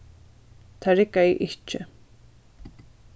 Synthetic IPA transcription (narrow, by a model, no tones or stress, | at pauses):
t̪ʰaɾɪkaiʔɪht͡ʃɪ